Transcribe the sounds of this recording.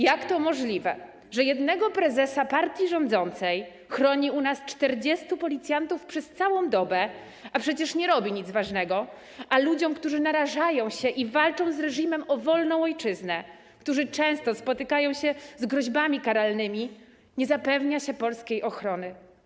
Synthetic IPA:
jakt̪ɔmɔʐlʲivɛ | ʐɛjɛd̪nɛɡɔpɾɛzɛsapaɾt̪ʲjiʐɔnd̪zɔnt̪sɛj | xɾɔɲiunast͡ʂt̪ɛɾd͡ʑɛst̪upɔlʲit̪sʲjant̪ufpʂɛst̪sawɔ̃w̃d̪ɔbɛ | apʂɛt͡ɕɛʂɲɛɾɔbʲiɲitd̪zvaʐnɛɡɔ | ʔalud͡ʑɔ̃w̃kt̪uʐɘnaɾaʐajɔ̃w̃ɕɛʔivalt͡ʂɔ̃w̃zɾɛʐimɛmɔvɔlnɔ̃w̃ɔjt͡ʂɘznɛ | kt̪uʐɘt͡ʂɛ̃w̃st̪ɔspɔt̪ɘkajɔ̃w̃ɕɛzɡɾɔʑbamʲikaɾalnɘmʲi | ɲɛzapɛvɲaɕɛpɔlskʲejʔɔxɾɔnɘ

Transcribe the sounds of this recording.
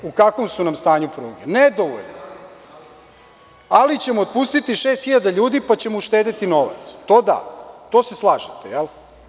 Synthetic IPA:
ukakʋomsunamst̪aːɲupɾuːɡened̪oʋo̰ʎno | alit͡ɕe̞moːt̪̚puːst̪it̪iʃe̞ːst̪xiʎad̪aʎuːd̪ipat͡ɕe̞moʃt̪eːd̪et̪ino̞ʋa̰t̪st̪o̞ːd̪a̰t̪oːseslˠaːʒet̪ejel

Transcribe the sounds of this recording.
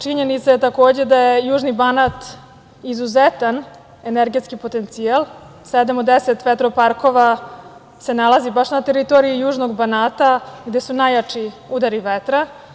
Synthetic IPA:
t͡ʂiɲenit̪sajet̪ako̞ːd͡ʑed̪ajejuːʒnibanat̪ | izuzet̪an | e̞neɾɡe̞t̪skipo̞t̪e̞nt̪sialˠ | sɛd̪amod̪eset̪ʋet̪ɾopaɾko̞ʋa | se̞nalˠazibaʃnat̪eɾit̪oɾiijuːʒnoɡbanaːt̪aɡd̪e̞sunajat͡ʂi | ud̪aɾiʋet̪ɾa

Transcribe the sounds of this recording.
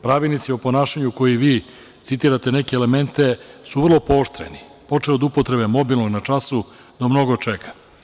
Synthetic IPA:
pɾaːʋilnit̪siopo̞naːʃaɲuko̞jiʋiː | t̪sit̪iːɾat̪e̞ne̞keːleme̞nt̪e̞suʋr̩lo̞po̞ːʃt̪ɾḛni | po̞t͡ʂeod̪upot̪ɾe̞be̞mo̞bilno̞ɡnat͡ʂasu | d̪̥amno̞ɡot͡ʂekʰḁ

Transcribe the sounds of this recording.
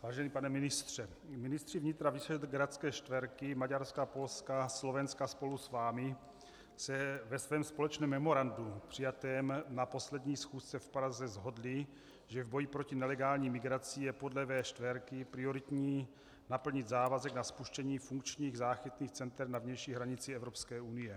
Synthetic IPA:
vaːʒɛniːpanɛmɪnɪst̪r̝̥ɛ | mɪnɪst̪r̥ivɲɪt̪ɾavisɛɛt̪ɡɾat̪t͡skɛːʃt̪vɛɾkɪmaɟaɾskapo̞lskaslo̞vɛnskaspo̞lusvaːmɪ | sɛvɛsvɛːmspo̞lɛt͡ʃnɛːmːɛmo̞ɾandupr̝̥ɪjat̪ɛːmnapo̞slɛd̪ɲiːsxuːst͡sɛfpɾazɛzɦo̞dlɪ | ʒɛvbo̞jipɾo̞cinɛlɛɡaːlɲiːmɪɡɾat͡sijɛpo̞dlɛvɛːʃt̪vɛɾkɪpɾɪo̞ɾɪt̪ɲiː | napl̩ɲɪt̪zaːvazɛɡnaspuʃcɛɲiːfuŋkt͡ʃɲiːɣzaːxit̪niːxt͡sɛnt̪ɛɾnavɲɛjʃiːɦɾaɲɪt͡siɛvɾo̞pskɛːunɪjɛ

